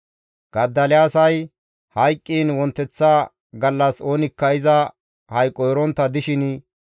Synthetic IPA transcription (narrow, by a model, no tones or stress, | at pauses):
ɡ̥ɐd̪ːɐlɪaːsɐj | hɐjkʼːiːnwɔnt̪ːɛt͡sːɐ | ɡɐlːɐso̞ːnɪkːɐjɪzɐ | hɐjkʼːɔjɾɔnt̪ːɐd̪ɪʃɪn